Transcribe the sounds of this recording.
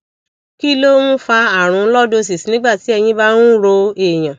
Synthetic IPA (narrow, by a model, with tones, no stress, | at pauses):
ki˦lo˦mũ˦fa˧a˦˨ɾ̃ũ˨˧˦lɔ˦do˧s̬i˨si˨nĩ˦ɡ͡ba˦˨ti˨˦ɛ˧j̃ĩ˧˦ba˦nũ˦ɾo˧e˨j̃ã˨